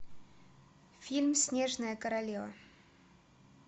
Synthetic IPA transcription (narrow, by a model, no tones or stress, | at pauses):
fʲilʲmsʲnʲeʐnəjəkəɾɐlʲevɐ̰